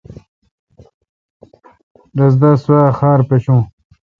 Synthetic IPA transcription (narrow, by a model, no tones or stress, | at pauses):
ɾɐzd̪aswaːxaːɾpeɕũː